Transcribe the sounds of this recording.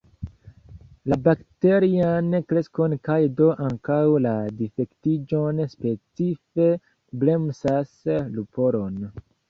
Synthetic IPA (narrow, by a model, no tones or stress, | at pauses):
labakte̞ɾiankɾe̞sko̞nkajdo̞ʔaŋkawladife̞ktid͡ʒo̞nspe̞t͡sife̞ | ble̞msaslupo̞ɾo̞n